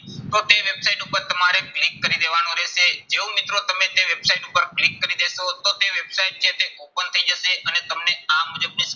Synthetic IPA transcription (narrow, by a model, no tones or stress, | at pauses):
t̪ot̪eʋebsaiʈupəɾt̪əmaɾeklikːəɾid̪eʋanõɾɛʃed͡ʒeõmit̪ɾot̪əmet̪eʋebsaiʈupəɾklikːəɾid̪eʃot̪ot̪eʋebsaiʈ̚t͡ʃʰet̪eopənt̪ʰəid͡ʒəʃeʔənet̪əmneamud͡ʒəbnis